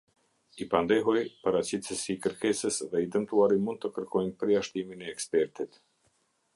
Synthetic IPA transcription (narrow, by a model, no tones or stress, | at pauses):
ipand̪ɛɦɔjpaɾat͡ɕit̪əsiːkəɾkɛsəsðɛid̪əmt̪uaɾimund̪̚t̪əkəɾkɔjnpəɾjaʃt̪iminɛːkspɛɾt̪it̪